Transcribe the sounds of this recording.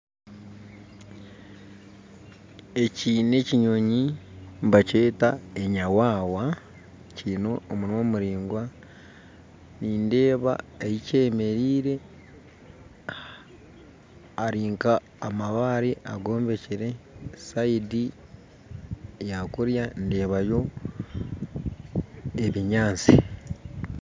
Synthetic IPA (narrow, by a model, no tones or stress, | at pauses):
e̞ciːne̞ciɲo̞ɲimbace̞ːtae̞ɲawaːwa | cino̞ːmuɾimo̞muɾiːŋɡwa | niːnde̞ːβa̰ejice̞ːme̞ɾiːɾe̞ | aɾiːŋkaː | maβaɾiʔaɡo̞ːmbe̞ciɾe̞saidi | jakuɾjande̞ːβajo̞ | e̞βiɲaːnt͡si